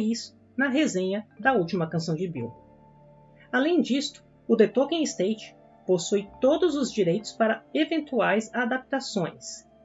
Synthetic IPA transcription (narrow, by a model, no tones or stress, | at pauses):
is | nɐɦezẽɲɐd̪ɐuwt͡ʃimɐkɐ̃sɐ̃w̃d͡ʒɪbḭw | alẽj̃d͡ʒist̪ʊ̥ | ʊd̪et̪okẽɪst̪ejt͡ʃɪ̥ | posujt̪od̪ʊzʊzd͡ʒiɾejt̪ʊ̥spaɾɐevẽnt̪uajzad̪ap̚t̪asõj̃s